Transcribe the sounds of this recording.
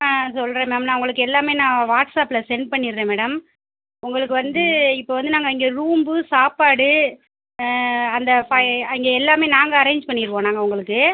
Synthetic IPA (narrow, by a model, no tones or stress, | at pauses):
sɔlːɾẽːmeːɽɐmnaːʊŋɡɐɭɯkːɯɛlːaːmeːnãːʋaːʈsaːpːlɐsɛnpɐɳːɪɾɾẽːmeːɽɐm | ʊŋɡɐɭɯkːɯʋɐnd̪ɯɪpːoːʋɐnd̪ɯnaːŋɡɐɪŋɡeːɾuːmbɯsaːpaːɽɯ | ɐnd̪ɐfɐɐŋɡeɛlːaːmeːnaːŋɡɐɐɾẽːɲd͡ʒpɐɳːɪɾɯkõːnaːŋɡɐʊŋɡɐɭɯkːɯ